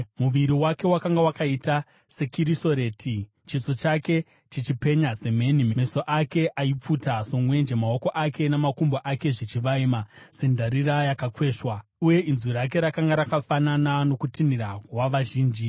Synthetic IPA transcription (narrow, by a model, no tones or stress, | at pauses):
muʋiɾiwake̞wakaŋɡawakaita | se̞kiɾiso̞ɾe̞ːtʰi | t͡ʃiso̞t͡ʃake̞ | t͡ʃit͡ʃipe̞ɲase̞m̤e̞nimemesoʔake̞ʔaip͡futaso̞mwe̞nd͡ʒe̞mao̞ko̞ʔake̞namakumboʔake̞ʐit͡ʃiʋaimase̞ndʱaɾiɾajakakwe̞ːʂwauje̞inziɾak̬e̞ɾakaŋɡaɾakafananano̞kutinirawaʋaʒiːnd͡ʒi